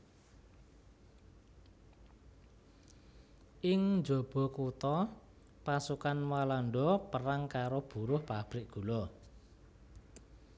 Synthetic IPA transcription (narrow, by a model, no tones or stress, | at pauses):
ʔɪŋnd͡ʒɔ̤b̥ɔ̤kut̪ɔ | pasukanwalaɳɖɔpəɾaŋkaɾob̥ṳɾʊhpab̥ɾɪʔɡ̥ṳlɔ